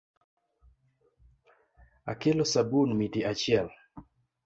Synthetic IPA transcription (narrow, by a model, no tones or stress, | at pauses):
a̰kelosabunmitiat͡ʃɪɛl